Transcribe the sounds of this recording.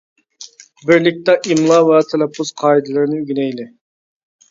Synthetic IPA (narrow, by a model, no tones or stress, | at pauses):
bɪɾlɪk̚ʲt̪ɛʔimlˠɑvɛt̪ʰɛlɛpʰːʊz̥qʰɑːid̪ɨlˠɨɾnɪyɡʲinɛjlɪ